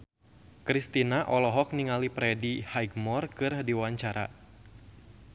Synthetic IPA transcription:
kɾist̪inaʔɔlɔɦɔk̚niŋalipɾɛdihajɡ̚mɔrkɨrdiwaɲt͡ʃaɾa̰

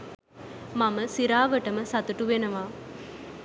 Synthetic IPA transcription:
maməsiɾaːʋəʈəməsɐt̪uʈuʋenɐʋaː

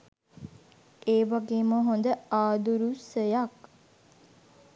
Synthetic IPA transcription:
ʔeːʋaɡeːməɦond̪əaːd̪uɾusəjak

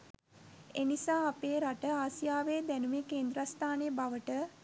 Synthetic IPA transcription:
enisaːapeːɾaʈəaːsijaːʋeːd̪ænumeːkeːnd̪ɾast̪ʰaːnejəbaʋəʈə

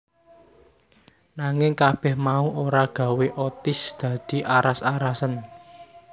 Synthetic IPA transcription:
naŋɪŋkab̥ɛ̤hmauoɾaɡ̥a̤weʔɔt̪ɪsd̪̥ä̤d̪̥i̤ʔaɾasaɾasən

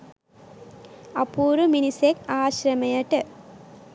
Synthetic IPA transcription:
ɐpuːɾuminisekaːɕɾɐmɐjɐʈɨ

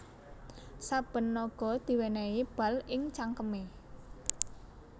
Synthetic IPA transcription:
sab̥ə̤nːɔɡ̥ɔ̤d̪̥i̤wenɛib̥a̤lɪŋt͡ʃaŋkəme

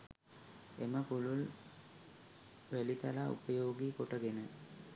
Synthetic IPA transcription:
eməpulul | ʋælit̪alaṵpəjoːɡiːkoʈəɡenə

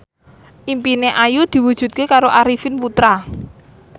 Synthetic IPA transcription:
ʔimpineʔajud̪̥i̤wud̥ʒ̥ṳt̪̚kekaɾoʔaɾifɪnput̪ɾa

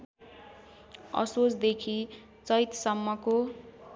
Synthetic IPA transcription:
ʌ̰sosd̪ekʰi | t͡sʌjt̪sʌmːʌko

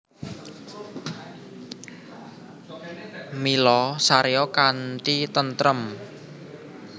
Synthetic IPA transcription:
milɔsaɾeɔkant̪it̪ənt̪ɾəm

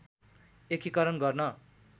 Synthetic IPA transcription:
ekʰikʌɾʌnɡʌrnʌ

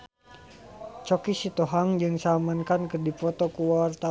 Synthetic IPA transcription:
t͡ʃɔkisit̪ɔɦaŋd͡ʒɨŋsamankankɨrdifɔt̪ɔkuwaart̪a

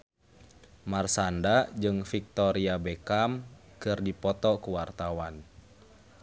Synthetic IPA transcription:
marsandad͡ʒɨŋfik̚t̪ɔɾiabɛkamkɨrdipɔt̪ɔkuwart̪awan

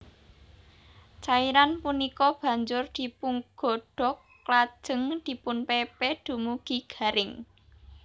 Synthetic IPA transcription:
t͡ʃaiɾanpunikɔb̥ä̤ɲd͡ʒʊrd̪̥i̤puŋɡ̥ɔ̤ɖ̥ɔ̤kː | lḁʒ̥ə̤ŋd̪̥i̤pʊnpepɛd̪̥ṳmuɡ̥i̤ɡ̥a̤ɾɪŋ

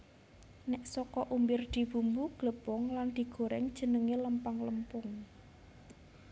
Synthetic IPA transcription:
nɛʔsɔkɔʔumbɪrd̪̥i̤b̥ṳmbuɡ̥ləb̥ɔŋland̪̥i̤ɡ̥o̤ɾɛŋd̥ʒ̥ə̤nəŋeləmpaŋləmpʊŋ

